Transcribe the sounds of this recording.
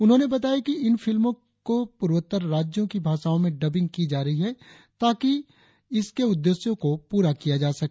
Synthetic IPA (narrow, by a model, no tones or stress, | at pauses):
ʊnɦõːnebɐt̪aːjakiɪnfɪlmõ | kopʊɾʋət̪ːəɾːaːd͡ʒjõkibʱaːʃaːõmẽɖɐbɪ̃ŋɡ̚kid͡ʒaːɾɐɦiɦɛ | t̪aːki | ɪskeʊd̪ːeːsjõkopuːɾakijad͡ʒaːsɐk